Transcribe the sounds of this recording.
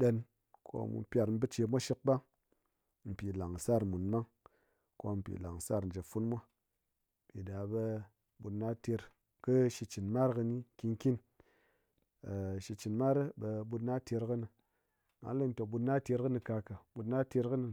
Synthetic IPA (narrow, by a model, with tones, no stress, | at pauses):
ɗe˧n | kʰo̰˦mṵ˨pʲa˧ɾm̩˦bɨ˦t͡ʃe˧mʷa˦ʃi˦k̚ba˦ | m̩˨pʲi˨la˨ŋ˨sa˦˨ɾmu˨nma˦ŋ | ko˧m̩˨pʲḭ˨la˨ŋ˨sa˦˨ɾn̩˨d͡ʒe˨fu˦nmʷa˦˨ | pʲi˨da˨be˧ | ɓu˧tna˦te˧ɾ | kɨ˦ʃi˧t͡ʃi˨nma˦ɾkɨ˧ni˦ki˧ŋki˦n | a˨ʃi˧t͡ʃi˨nma˦ɾɨ˦be˧bu˧tna˦te˧ɾkɨ˦nɨ˧ | ŋa̰˨˦li˦n˦to˧˨ɓu˧tna˦te˧ɾkɨ˦nɨ˧ka˧ka˨bu˧tna˦te˧ɾkɨ˦nɨ˧